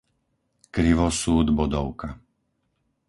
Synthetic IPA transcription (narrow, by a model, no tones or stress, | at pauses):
kɾiʋɔsuːd̪bɔd̪ɔʊka